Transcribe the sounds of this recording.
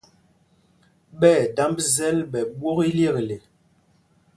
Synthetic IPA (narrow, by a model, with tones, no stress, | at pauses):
ɓɛː˦˨da˦mbzɛ˦lɓɛ˨ɓwo˦ɣi˦lje˦˨kle˨